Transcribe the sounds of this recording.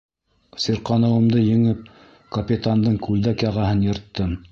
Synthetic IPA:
siɾqɑnɤ̆wɤ̆md̪ɤjɘ̆ŋɘp̚ | kɐpʲit̪and̪ɤɴkʉld̪ækjɑʁɑhɤnjɤ̆ɾt̪ːɤm

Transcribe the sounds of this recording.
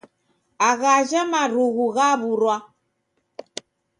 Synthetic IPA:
aɣaʒamaɾuɣuɣaβuɾwa

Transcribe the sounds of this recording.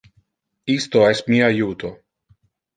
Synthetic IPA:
ist̪oɛsmiajuːt̪ʰo

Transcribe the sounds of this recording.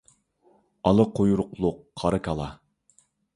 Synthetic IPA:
ɑlˠɨqʰojuɾʊqlˠʊqːʰɑɾɨkʰʲɑlˠɑ̰

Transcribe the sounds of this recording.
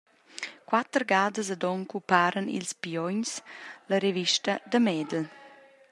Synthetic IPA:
kwat̪əɾɡaːd̪əs̬əd̪ɔŋkupaːɾənḭlspiɔɲsləɾeviʃtəd̪əmɛd̪əl

